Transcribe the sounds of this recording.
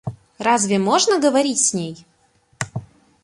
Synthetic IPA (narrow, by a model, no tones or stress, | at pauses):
razvʲɪmoʐnəɡəvɐɾʲitʲsʲnʲej